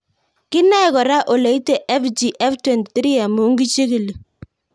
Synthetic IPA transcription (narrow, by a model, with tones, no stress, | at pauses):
kɪ˦na˦ɛ˨kɔ˨ɾa˦ʔo˨lɛ˨i˦te˨ʔɛ˦fd͡ʒi˨ʔɛ˦ftwɛ˨nti˨t̪ɾi˦a˨mu˨˦ŋɡi˦t͡ʃe˦ki˨li˨